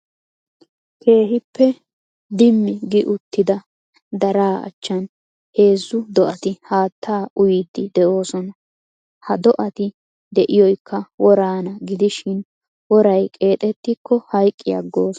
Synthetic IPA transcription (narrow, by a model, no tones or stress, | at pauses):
kʰe̞ːɦɪpːɛ | d̪ɪmːɪɡɪʔʊt̪ːɪd̪ɐ | d̪ɐɾaːɐ̰t͡ʃːɐn | he̞ːzːʊd̪ɔʔɐt̪ɪhaːt̪ːaːʔʊjɪd̪ːɪd̪ɛʔo̞ːsɔnɐ | hɐd̪ɔʔɐt̪ɪ | d̪ɛʔɪjɔjkːɐwɔɾaːnɐɡɪd̪ɪʃɪn | wɔɾɐjkʼe̞ːt̪ʼɛt̪ːɪkʰːɔhɐjkʼːɪjɐ̰ɡːo̞ːsɔ